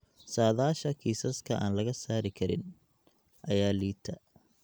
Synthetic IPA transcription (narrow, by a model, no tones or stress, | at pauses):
saːðaːʃɐkʰiːsɐskʰɐʔa̰ːnlɐɣɐsaːɾɪkʰɐɾɪ̰n | ʔɐjaːliːt̪ʰɐ